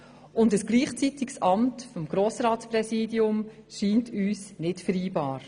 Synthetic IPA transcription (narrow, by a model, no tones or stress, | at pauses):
ʔʊndəsɡ̥liːχt͡sitiksʔɑmtfɔmɡ̥ɾoːsɾɑːtspɾɛsiːdiʊm | ʃiːntʰyːsnɪtfəɾiːbɑːɾ